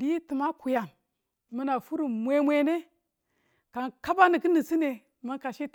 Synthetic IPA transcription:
di˦ti˨ma˦ku˨ja˨n | mə˦na˨fu˦ɾu˨mʷe˦mʷ˦e˦ne˦ | ka˨nka˦ba˦ni˨ki˦ni˨si˦ne˨ | ma˦nka˨ʃe˦t

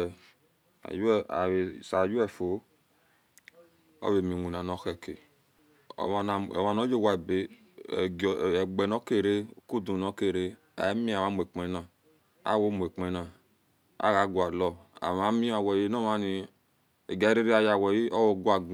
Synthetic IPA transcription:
a̰˨ju˦˨a̰˨we˨sa˨d͡ʒu˦ɛ˦˨fo˨˦ | ɔ̰˦we˨mi˨wu˨n˨a˨nɔ˨˦xɛ˦˨kḛ˨ | na̰˨wa˨nɔ˨˦d͡ʒo˦˨wa˨e˨be˨˦˨ | ɡ͡bɛ˨nɔ˦ke˦˨ɾe˦˨ku˦˨dũ˨nɔ˨˦ke˦˨ɾe˦ | a̰˨˦mĩ˦a˨ma˨˦mo˨e˨k͡pɛ˨˦nã˨ | a̰˦˨wo˦mo˨e˨k͡pɛ˨˦nã˨ | a̰˦˨ɣa˨˦ɡu˨a˨lɔ˨a̰˨ma˨˦mĩ˦a˨wɛ˨je˦nɔ˦ma˧ni˧ | e˨ɡa˨˦ɾe˦ɾi˦a˧˨ja˨wɛ˨ji˦ɔ˦wo˧ɡu˦a˨ɡ

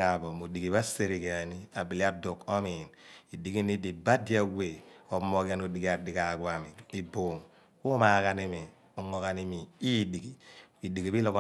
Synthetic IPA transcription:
a˨bo˨mo˨di˨ɡi˨βa˦se˨ɾi˨ka˨ni˦a˨bi˨li˦a˦do˨ko˦mi˨ni˨di˨ki˦ni˦di˨ba˦di˦a˨we˨o˨˦mo˦ka˦no˨di˨ki˦a˨di˨ka˨kwa˨mi˨i˨boː˨ŋ | ku˦ma˨˦ka˨ni˦mi˨ | ɔ˨ŋo˨ka˨ni˦mi˨i˦di˨ki˨i˨di˨ɡi˨bi˦lɔ˦kɔ˨

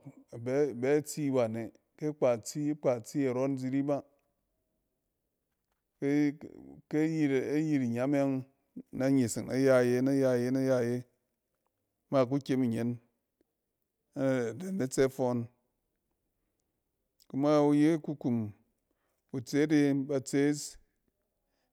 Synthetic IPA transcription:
a˨be˦˨be˦t͡si˦wa˨ne˨ | ke˦k͡pa˨t͡si˦k͡pa˨t͡si˦a˨ɾo˦n˦d͡zi˦ɾi˦ba˦ | ke˦ke˦ji˦ɾa˦ji˧ɾi˨ɲa˨˦m˦ja˦ŋ | na˦ɲe˨si˨ŋna̰˦ja˦˨je˦na˦ja˧˨je˦na˦ja˦˨je˦ | ma˦˨k̬u˦kʲe˦mi˨ɲe˨˦n˦˨ | de˨na˦t͡se˦fo˧n | ku˦ma˦u˧je˦ku˧ku˨m | u˨t͡se˦de˧ba˧t͡se˦s

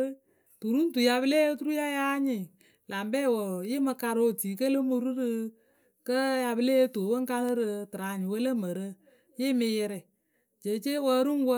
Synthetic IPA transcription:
tu˨ɾu˦n˦tu˨ja˧bɨ˦le˦e˦tu˦ɾu˦ja˦ja˦ɲɪ˨ | la˨mbɛ˦˨wo˨jɪ˦mə˧ka˧ɾo˦˨tiː˨˦kə˦lə˦mu˧ɾɨ˦ɾɨ˧ | kə˦ja˧bɨ˦le˦to˨˦wə˦ŋ˦ka˧lɨ˦ɾɨ˧tɨ˨ɾa˨ɲɪ˨wə˦lə˦mə˨ɾə˦ | jɪ˦mɪ˧jɛ˧ɾɛ˨ | d͡ʒe˨˦t͡ʃe˦wə˧˦ɾu˦wə˦

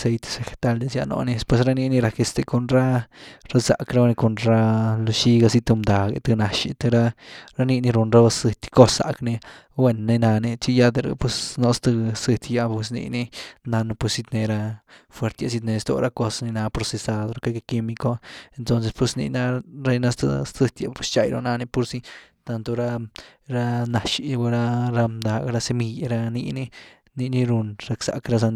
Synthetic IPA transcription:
se˧jt̪e̥˧se˧xe̥˧t̪a˧ld̪e˧sja̰˧no̰˧ne˧spwe˧sɾa˦ni˧ni˧ɾa˧ke˧st̪e˧ko˧nɾa˦ɾa˦sa̰˨kɾa˦˧ni˧ko˧nɾa˦lo˧ʃi˧ɡa˧si˧t̪ɨ˧md̪a˨ɡḛ˧t̪ɨ˧na˧ʃḭ˧t̪ɨ˧ɾa˦ɾa˦ni˧ni˧ɾu˧nɾa˦a˧sɨ˧t̪ʲko˦sːa̰˨kni˧ | we˧nːe˧na˧ne˧t͡ʃi˦˧ja˧d̪e˧ɾṵ˧pwe˧sno˧st̪ɨ˧sɨ˧t̪ʲja˧pwe˧s̬nḭ˧ni˦˧na˧n˧pwe˧si˧t̪ne˧ɾa˧fwe˧ɾt̪ja˧s̬i˧t̪ne˧st̪o̰˧ɾa˦ko˧sni˧na˧pɾo˧se˧sa˧d̪ɾo˧ka˦ka˧ki˧mi˧ko˦e˧nt̪o˦ns̬e˧spwe˧snḭ˧na˧ɾe˧jna˧˦st̪ɨ̰˧st̪ɨ˧t̪ja̰˧pwe˦st͡ʃa˧˨jɾo̰˧na˧ne˦pu˧ɾsi˦t̪a˧nt̪o˧ɾa˦ɾa˦na˨ʃi˧ba˧ɾa˦˧ɾa˧md̪a˨ɡɾa˦se˧mi˧ja˧ɾa˦ni˧ni˦ | ni˧ni˧ɾu˧nɾa˧ksa̰˨kɾa˦s̬a˧n

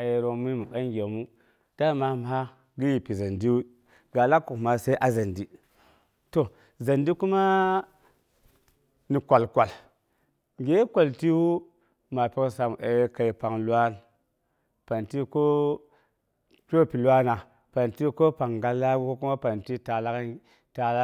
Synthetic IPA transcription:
a˨je˨ɾo˨mi˦mu˨ka˦ŋɡʲe˨mu˦ | d̥a˦ma˨˦m˨ɦa˦ | ɡi˦ji˨pi˨za˨ndi˦wu˦ | ɡa˨la˦ku˨ma˨se˦ʔa˨za˨ndi˦ | to˨ | za˨ndi˦ku˦ma˦ | ni˨kʷa˨lkʷa˨l | ŋɡe˦kʷa˨lti˦wu˦ | ma˨pi˦ksa˨m˨e˨˦ka˨i˨pa˨ŋlu˦a˦n | pa˨nti˦ko˦ | t͡ʃo˦˨pi˨lwa˦na˨ | pa˨nti˦ko˦pa˨ŋɡa˦lːa˦ɡu˦o˦ku˦ma˦pa˨nti˦ta˨la˦k | ta˨la˦

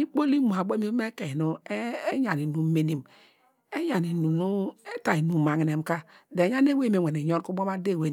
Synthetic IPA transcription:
i˦k͡po˦li˦mu˨a˨bo˦m˦e˦ke˨no˦ɲa˨ni˨nu˦me˦ni˨m | e˦ja˨ni˨nu˨nu˦e˦ta˨i˨nu˨ma˨ŋi˨ne˨m˦ka˦de˨ja˦n˦e˦we˦me˨we˨ne˨jo˦nku˦mo˦ma˦de˦˨we˨

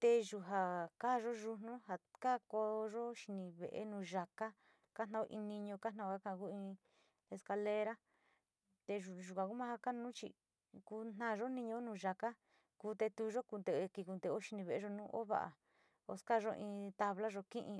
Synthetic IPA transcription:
t̪e˧ʒu˧ɦa˨ka˦˨˧ʒo˦ʒu˧n̥nũ˦ɦa˨ka˦ko˧ʒo˦ʃi˧nĩ˧βḛ˨ʔḛ˧˦nũː˧ʒa˧ka˦ | ka˦nã˧˦o˧ʔĩ˧nĩ˧ɲõ˧ka˦nã˦˧ka˦kã˦˧ku˦ĩ˧ | e˧ska˧le˧˦ɾa˦ | t̪e˧u˨ʒu˨kʷã˨˧ku˦mã˦ha˧ka˦nũ˦t͡ʃḭ˧˨ | ku˧n̥ã˦˧ʒo˦nĩ˧ɲõ˧˦nũː˧ʒa˧ka˦ | ku˧˦t̪e˧t̪u˧˦˧ʒo˦ku˧nd̪e˨e˧ki˧ku˧nd̪e˧o˦ʃi˧nĩ˧βe˧˨˧ʒo˧nũ˦ʔo̰˦βa̰˧ʔa̰˨ | o̰˧ska˦˧ʒo˦ʔĩː˧t̪a˧βla˦ʒo˧kĩ˦ʔĩ˧

